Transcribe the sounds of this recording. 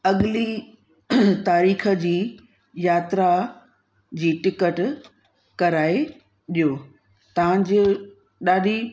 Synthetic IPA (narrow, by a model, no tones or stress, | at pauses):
ɐɠli | t̪aːɾiːxə̆d͡ʑiː | jaːt̪ɾa | d͡ʑiːʈɪkəʈ | kɐɾaːe | ɗijo | t̪ɐʋãd͡ʑɪ | ɗaːɗi